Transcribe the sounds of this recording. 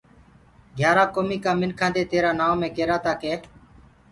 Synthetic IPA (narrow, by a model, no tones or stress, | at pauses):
ɡʱjaːɾaːkoːmiːkãːmɪnkʰãːnd̪eːt̪eːɾaːnaːmẽːkeːɾaːt̪aːkeː